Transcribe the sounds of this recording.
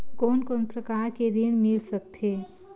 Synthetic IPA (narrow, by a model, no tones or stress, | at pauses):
koːnkoːnpɾəkaːɾkeɾiɽ̃mɪlsək̚t̪ʰeː